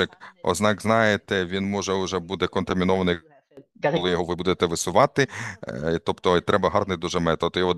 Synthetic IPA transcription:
ɪkɔ̰znɑɡznɑjet̪ɛʋʲinmɔʒɛʊʒɛbud̪ɛkɔnt̪ɐmʲinɔʋɐnɪ | kɔlˠɪjɔɦɔʋɪbud̪et̪ɛʋɪsʊʋɑt̪ɪ | t̪ɔpt̪ɔt̪ɾʔɛbɐɦɑrnɪd̪uʒɛmɛt̪ɔt̪jɔɦɔ

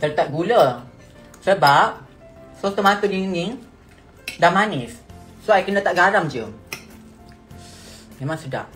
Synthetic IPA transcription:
t̪ərt̪ap̚ɡulə | səbap̚ | sot̪omat̪udiŋiŋ | damanɪs | soajkəndat̪aʔɡaɾamd͡ʒə | memaŋsəda̰h

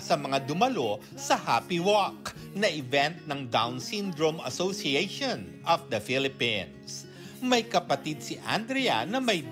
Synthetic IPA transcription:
sɐmɐŋad̪ʊmɐlo̞ | sɐhaːpɪwɔk̚ | nɐʔɪvɛnt̪̚nɐŋd̪awnsĩnd̪ɾomɐ̰sosiejʃõnʔɐfd̪ɐfilɪpĩns | mɐjkɐpɐt̪id̪̚siʔa̰nd̪ɾɛɐ̰nɐmɐj

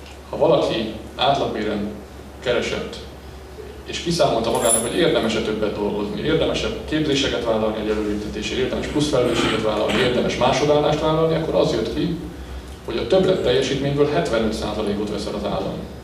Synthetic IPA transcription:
hɒvɒlɒkʰi | aːt̪lɒɡmeːɾɛn | kɛɾɛʃɛ̰t̪ː | eːʃkisaːmo̞lt̪ɒmɒɡaːnɒkho̞ɟeːrd̪ɛmɛʃɛt̪ø̞bːɛd̪d̪o̞lɡo̞znḭʔeːrd̪ɛmɛʃɛbkeːrbzeːʃɛkɛt̪vaːlɒlniɛɟɛløːɾit̪ɛt̪eːʃeːeːrd̪ɛmɛʃplusfɛlɛløːʃeːɡɛt̪ʋaːlɒ̰lnieːrd̪ɛmɛʃmaːʃod̪aːlːaːʃt̪ʋaːlɒlniɒkːo̞ɾɒzjøt̪ki | ho̞ɟɒt̪øbrɛt̪ːɛjːɛʃiːt̪meːɲbøːlɦɛt̪vɛnyt̪sa̰ːzɒleːkot̪ʋɛ̰sɛlɒza̰ːlːɒ̰m

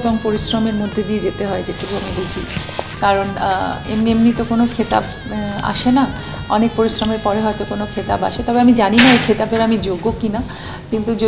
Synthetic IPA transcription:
boŋpoɾisɾomeɾmod̪ʱːed̪ied͡ʑet̪eɦɔed͡ʑeʈʰukomibud͡ʑʱikaɾon̰ḛmnemnit̪okonokʰet̪a̰b | a̰ʃena | ɔnek̚poɾisɾomeɾpɔɾeɦɔet̪okonokʰet̪aba̰ʃet̪ɔbeamid͡ʑaninaekʰet̪abeɾamid͡ʑoɡːokina | kint̪ud͡ʑo

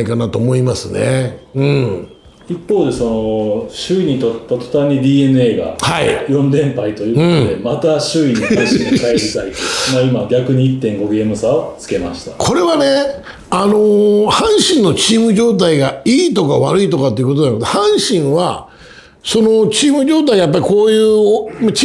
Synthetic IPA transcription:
ikanat̪o̞ːmo̞imasɨne̞̰ɯ̟̃ɴ | ipːo̞ːd̪e̞so̞no̞ɕɨiɲ̟it̪o̞t̪ːat̪o̥t̪aɲːid̪ʲiːe̞nɯeːɡa̰haḭjõ̞nd̪ẽ̞mpait̪ojɯːɯõ̟ɴod̪e̞mat̪aɕɨiɲieiikaeɾʲit̪ait̪ːemaimaɡʲakɯ̟ɲ̟iit̪ːẽ̞ŋɡo̞ɡe̞ːmɯ̟saot͡sɨ̥ke̞ma̰ɕi̥t̪ḁkʰo̞ɾe̞βane̞ | ano̞hãɰ̃ɕĩnːo̞t͡ɕiːmɯ̟ʑo̞ːt̪̬aiɡaiːt̪o̞kaβa̰ɾɯ̟it̪o̞kat̪̬ːeiɯ̟kot̪oaot̪ahãɰ̃ɕĩɰ̃βa | so̞no̞t͡ɕiːmɯ̟ʑo̞ːt̪̬aiɡajap̬ːaɾʲiko̞ːjɯ̟ːomat͡ɕ

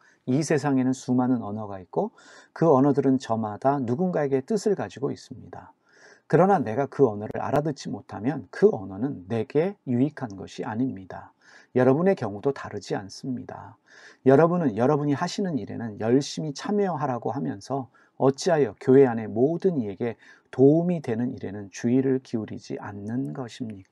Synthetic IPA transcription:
isʰe̞s̬ʰaŋe̞nɯnsumanɯnʌnʌɡait̚k͈o | kɯʌnʌdɯɾɯnt͡ɕʌmad̥anuɡunɡae̞ɡe̞t͈ɯsʰɯɭɡad͡ʑiɡois͈ɯmɲida | kɯɾʌnane̞ɡakɯʌnʌɾɯ̰ɾʔa̰ɾadɯt͡ɕ͈imotʰamjʌnkɯʌnʌnɯnːe̞ɡe̞juikʰanɡʌ̰ɕʰia̰ɲimɲida | jʌɾʌbune̞kjʌŋudotaɾɯd͡ʑia̰ns͈ɯmɲida̰ | jʌɾʌbunɯnjʌɾʌbuɲihaɕʰinɯniɾe̞̰nɯnjʌɭɕ͈imit͡ɕʰamjʌɦaɾaɡohamjʌnsʰʌ | ʌt͡ɕ͈iɦajʌkjoɦe̞ane̞modɯnie̞ɡe̞ | toumidwe̞nɯniɾe̞̰nɯnt͡ɕuiɾɯɭkiuɾid͡ʑḭʔa̰nːɯnɡʌɕʰimɲika

